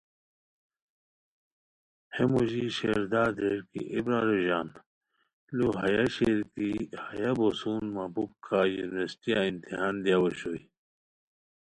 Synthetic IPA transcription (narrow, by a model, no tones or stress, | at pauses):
hemuʑiɕeɾd̪aːd̪eɾkḭʔibɾaɾoʑaːn | luɦɐjaɕeɾkihajabosuːnmabub̚kʰajunwestijaint̪iɦaːnd̪jawɐɕoi